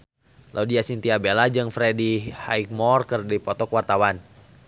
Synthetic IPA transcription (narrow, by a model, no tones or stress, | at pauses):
lʔaudiasint̪iabelad͡ʒɨŋfɾedihaik̚mɔrkərdipɔt̪ɔkwart̪awan